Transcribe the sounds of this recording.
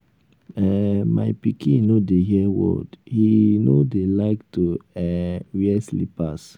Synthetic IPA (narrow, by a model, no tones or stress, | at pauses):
ɛmajpikʰĩnodeɦiɛwɔ̰dhinodelaɪktuɛwiɛslḭpas